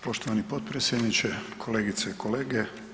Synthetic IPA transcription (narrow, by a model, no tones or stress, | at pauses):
po̞ʃt̪oʋanipo̞t̪̚pɾesjed̪nit͡ʃekʰo̞leːɡit̪seiko̞leːɡe